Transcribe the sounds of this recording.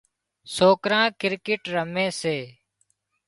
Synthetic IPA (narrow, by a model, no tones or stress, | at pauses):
soːkɾãːkɪɾkɪʈɾəmẽːseː